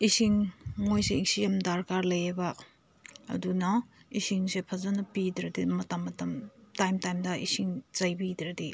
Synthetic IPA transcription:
isiŋmojseik̚sijamdaɾkaɾlɐjeba | ɐ̰dunɐisiŋsepʰazanɐpidɾɐdimɐtamːɐtamtajmtajmdɐʔisiŋz̥ajbidɾadi

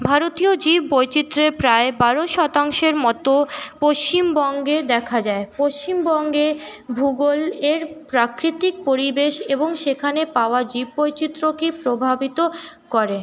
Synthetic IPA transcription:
bʱaɾot̪iod͡ʑibbojt͡ɕit̪ːɾepɾaebaɾoʃɔt̪aŋʃeɾmɔt̪opoʃt͡ɕimbɔŋɡed̪ɛkʰad͡ʑaepoʃt͡ɕimbɔŋɡebʱuɡoleɾpɾakɾit̪ik̚poɾibeʃeboŋʃekʰanepaoad͡ʑib̚ːojt͡ɕit̪ːɾokipɾobʱabit̪o | kɔɾe

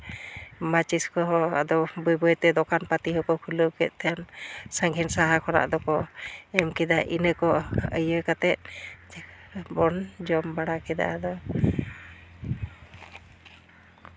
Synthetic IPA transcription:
mat͡ʃiskɔɦɔa̰d̪ɔbujbɔjt̪ɛd̪ɔkanpat̪iɦɔkɔkʰuləkɛ̰t̪̚ˀt̪ʰɛjansaŋɡʱɛnsaɦakʰɔna̰ʔd̪ɔkɔɛmkɛd̪aʔinəkɔəjəkat̪ɛt̪̚d͡ʒbɔnd͡ʒɔmbaɽakɛd̪a̰ad̪ɔ

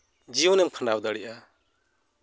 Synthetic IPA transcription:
d͡ʒiɔnɛmkʰandawd̪aɽiʔa

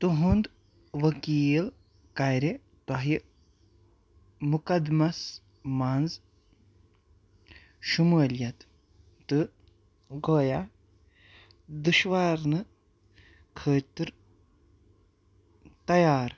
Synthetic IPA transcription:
t̪uɦund̪ | ʋɐkiːl | kajɾe | t̪ɐɦi | mukɐd̪mɐs | manz | ʃuməːljɐt̪ | t̪ɨ | ɡoːja | d̪uʃʋaːɾnɨ | kʰəːt̪ɨɾ | t̪ɐjaːɾ

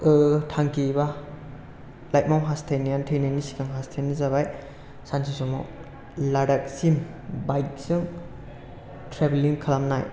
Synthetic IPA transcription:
ɯtʰaŋkʰiba | lajt̚mawɦastʰajnijantʰejnajnisi̥kʰaŋɦastʰenizaβaj | sansisɔmo̰ | laɾak̚sim | bajk̚sɯŋ | tʰɾebeliŋkʰalamnaj

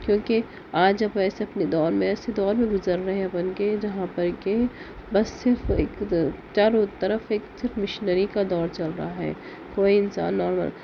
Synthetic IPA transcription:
kjõːki | aːd͡ʒɐbɛːseɐpned̪ɔːɾmẽɛːsed̪ɔːɾmẽɡʊzəɾːɐɦeɐpənked͡ʒɐɦãpɐɾke | bɐsːɪɾfḛːkt͡ʃaɾot̪ɐɾəfeːksɪɾfmɪʃnəɾikad̪ɔːɾt͡ʃɐlɾaɦaɦɛ̰ː | koːiɪnsa̰ːnːɔːɾmə̰l

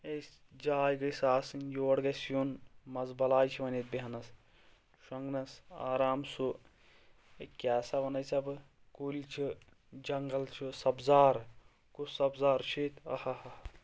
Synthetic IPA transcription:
esʲ | d͡ʒaːjɡɐsaːsɨnjoːɽɡɐsjunmɐzbɐlaːjt͡ʃʰiʋɐnet̪̚biɦɐnɐs | ʃɐŋɡnɐsaːɾaːmsu | ekʲaːsaʋɐnɐjsɐbɨ | kulʲt͡ʃʰi | d͡ʒɐŋɡɐlt͡ʃʰisɐbzaːɾ | kusɐbzaːɾt͡ʃʰit̪ɐ̰hɐhɐ

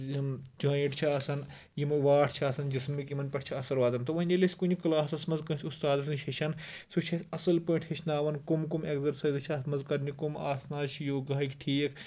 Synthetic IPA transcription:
jimd͡ʒaːjiʈt͡ʃʰɐɐsɐn | jimʋaːʈʰt͡ʃʰɐɐsɐnd͡ʒismːikimɐnpɐʈʰt͡ʃʰiɐsɐɾʋaːd̪ɐnt̪ɐʋɐnʲɐlisʲkunʲiklaːsɐsmɐnzkɐ̃sʲust̪aːd̪ɐsnit͡ʃʰɐt͡ʃʰɐnsut͡ʃʰɐsʲɐsɐlpoiɳʈʰheʃʰnaːʋɐnkumkumekzɐɾsɐːjzt͡ʃʰiɐsmɐnzkɐɾnikumaːsnaːzt͡ʃʰijoːɡaːikʈʰiːkʰ

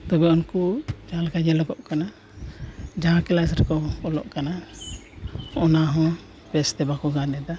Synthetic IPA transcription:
t̪ɔbɛɔnkud͡ʒalkad͡ʒɛlɔɡɔʔkana | d͡ʒalkɛlasɾɛkɔɔlɔ̰ʔkana | ɔnaɦɔ̃ | pɛst̪ɛbakɔɡanɛd̪a

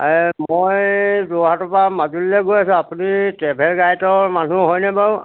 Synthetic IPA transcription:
mojzɔɦatɔpamazulilɛɡojasʊ̃apunitɛbʱɛlɡajtɔmanuɦɔjnɛbã

